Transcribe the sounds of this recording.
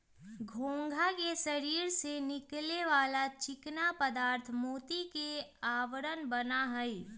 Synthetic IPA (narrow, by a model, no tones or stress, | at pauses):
ɡʱõːŋɡʱakesɐɾiːɾsenɪkleʋaːlat͡ʃɪknapəd̪aːɾt̪ʰmoːt̪ikeaːʋɾənbɐnaɦɛi